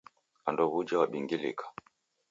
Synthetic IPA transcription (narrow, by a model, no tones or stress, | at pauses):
andɔβud͡ʒawaɓiŋɡilḭkʰḁ